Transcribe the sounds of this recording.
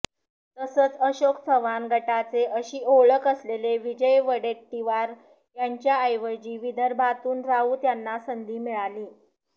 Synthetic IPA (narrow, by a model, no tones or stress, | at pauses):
t̪əsəːt͡səɕoksʰəʋanɡʱəʈat͡seʔəɕiːoɭəkəsleleʋid͡ʑəjʋəɽeʈʈiʋaɾ | jaɲt͡ɕjaːjʋəɾd͡ʑiːʋid̪ʱəɾbʱat̪uːnɾauːt̪janːasənd̪ʱiːmiɭaliː